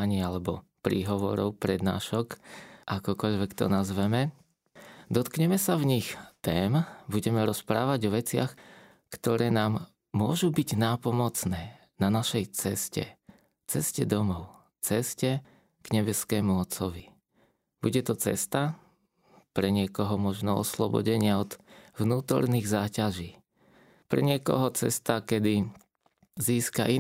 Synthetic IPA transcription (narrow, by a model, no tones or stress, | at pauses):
ɲialɛbɔpɾiːɦɔʋɔ̰ɾɔ̰ʊpɾɛd̪na̰ːʃɔkʔakɔkɔʎʋɛkt̪ɔ̰nazʋɛmɛ | d̪ɔt̪kɲɛmɛsavɲixt̪ɛːmbuɟɛmɛɾɔspɾaːʋaɟɔʋɛt͡sɪa̰x | kt̪ɔɾɛːnaːmː | ʊɔʒubiɟnaːpɔmɔt͡snɛː | nanaʃɛjt͡sɛscɛ̰ | t͡sɛscɛd̪ɔmɔʊ | t͡sɛscɛ | ɡ̥ɲɛbɛskɛːmuɔt͡sɔʋi | b̥uɟɛt̪ɔt͡sɛ̰st̪a | pɾɛɲɪɛkɔɦɔmɔʒnɔɔ̰slɔbɔ̰ɟɛɲɪaɔd̪̥ʋnuːt̪ɔ̰ɾniːɣzaːcaʒiː | pɾɛ̰ɲɪɛkɔ̰ɦɔt͡sɛ̰st̪akɛd̪i | ziːska̰ʔi